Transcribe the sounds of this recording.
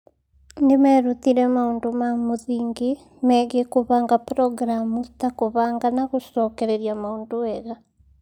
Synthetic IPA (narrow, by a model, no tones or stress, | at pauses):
ndemɛɾut̪iɾɛmaondomamoðiːŋɡe | mɛːɣekoβaːŋɡapɾɔɡɾamust̪akoβaːŋɡanaɣosɔːkɛɾɛɾijamaoːndoɛɣa